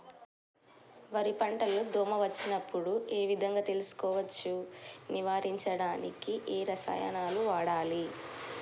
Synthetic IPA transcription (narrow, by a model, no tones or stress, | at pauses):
ʋɐɾipɐɳʈɐloːd̪ʱoːmɐʋɐt͡ʃːinɐpːuɽuʔe̞ːʋid̪ʱɐŋɡaːt̪e̞lusu̥kɔːʋɐt͡ʃːuniʋaːɾiɲt͡ʃɐɽaːnikiʔeːɾɐsɐ̰ːjɐ̰naːluʋaːɽaːli